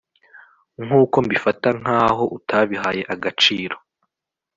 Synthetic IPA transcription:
ŋuːko̞mbifataŋ̥aːɦo̞ʔutʰaβiɦaje̞ʔaɡat͡ʃiːɾo̞

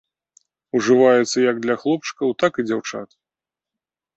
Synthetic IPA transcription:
uʐɨvajɛt̪sːɐjɐɡ̚d̪lʲɐxlˠɔp̚t͡ʂɨ̥kɐwt̪akɨd͡zʲawt͡ʂa̰t̪

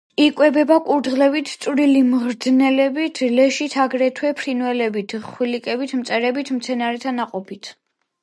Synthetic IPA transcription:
ikʼwɛbɛbakʼuɾd̪ʁlɛbit̪ʰsʼɾilimʁɾd̪znɛlɛbit̪ʰlɛʃit̪ʰaɡɾɛt̪ʰwɛpʰɾinwɛlɛbit̪ʰχwilikʼɛbit̪ʰmt̪sʼɛɾɛbit̪ʰmt̪sʰɛnaɾɛt̪ʰanaqʼɔpʰit̪ʰ

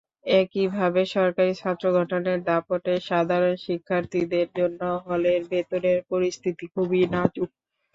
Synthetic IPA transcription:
ekibʱabeʃɔɾkaɾit͡ɕʰat̪ːɾoɡʱɔʈoneɾd̪apoʈeʃad̪ʱaɾonʃikʰːaɾt̪ʰid̪eɾd͡ʑonːoɦɔleɾbet̪oneɾpoɾist̪ʰit̪ikʰubinat͡ɕuk̚

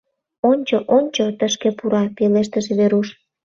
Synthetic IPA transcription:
onʲt͡ɕoʔonʲt͡ɕot̪əʃkepuɾɑpileʃt̪əʒeβeɾuʃ

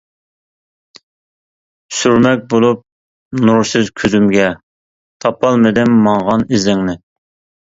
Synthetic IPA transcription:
syɾmɛk̚ʲbolˠup̚ | nuɾsɪzkʲʰøzymɡʲɛ | t̪ʰɑpɑlˠmɪd̪ɪmːɑŋʁɑnizɪŋnɪ

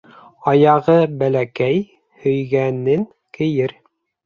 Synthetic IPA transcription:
ɑjɑʁɤbælækæj | hɵ̆jɡænɘŋ | kɘ̆jɘɾ

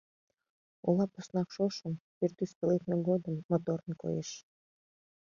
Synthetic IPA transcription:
ulɑposnɑkʃoʃəmpirt̪yspələkneɡod̪əmːot̪oɾənko̰jeʃ

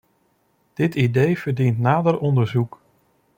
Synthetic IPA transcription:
d̥ɪtidejv̥əɹdintnaːdəɾɔndəɹzuk

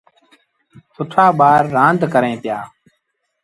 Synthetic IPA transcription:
sʊʈʰaːɓaːɾːãːnd̪ʱkəɾẽːt̪jaː

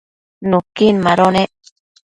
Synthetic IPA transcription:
nukinmaɾoneʔ

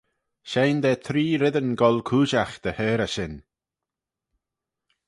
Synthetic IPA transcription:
ʃejnd̪ɛːt̪ʰɾiːɾɪðənɡɔlkʰuːʃaxd̪̥əhɛːɾəʃɪn

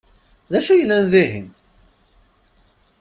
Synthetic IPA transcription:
ðæʃujəlːænðiɦḭn

